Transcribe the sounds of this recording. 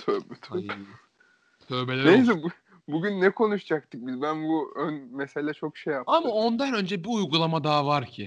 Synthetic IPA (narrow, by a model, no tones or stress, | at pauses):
t̪ʰøbt̪ʰa | t̪ʰø̞belʲeɾjsɛ | buɟynːɛkʰo̞nuʃd͡ʒak̚t̪ʰɯk̚bizbænbuønmeselʲɛt͡ʃʰo̞kʃejːap̚amao̞nd̪anø̞nd͡ʒɛbiujɡulˠamad̪aːvaɾcʰɪ